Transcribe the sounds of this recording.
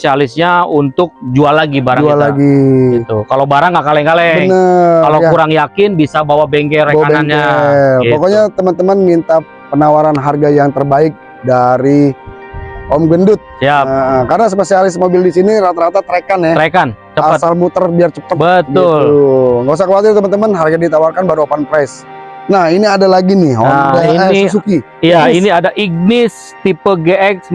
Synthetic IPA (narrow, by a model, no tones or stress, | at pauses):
esialɪsɲaunt̪ʊk̚d͡ʒualːaɡibaɾaalaɡiɡit̪ukalobaɾaŋɡaʔkalɛŋkalɛənəkalokuɾaŋjakɪnbisabawabɛŋkɛreaabnanɲapokoɲat̪əmant̪əmanmint̪a | pənawaɾanɦarɡajaŋt̪ərbaɪk̚ | daɾi | hɔmɡwəndʊt̪̚jaəəkarnas̬əpəsiaɾɪsmobɪldisiniɾat̪aɾat̪at̪əɾekanjat̪əɾekant͡ʃəaət̪salmut̪ərbiart͡ʃəpəbət̪ɡʊlŋɡas̬akəwat̪ɪrt̪əmant̪əmanɦarɡadit̪awarkanbaɾuopanpɾas | nahiniadalaɡinɪhɔnaiis̬uki | jainiadaʔiɡ̚nɪs | t̪ipəɡeɛks